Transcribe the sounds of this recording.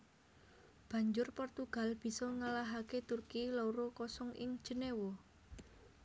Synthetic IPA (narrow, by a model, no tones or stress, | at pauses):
b̥ä̤ɲd͡ʒʊrpɔrt̪uɡ̥a̤lb̥i̤sɔŋalaɦaket̪urkilɔuɾokɔsɔŋʔɪ̰ŋ̥d͡ʒ̥ə̤newɔ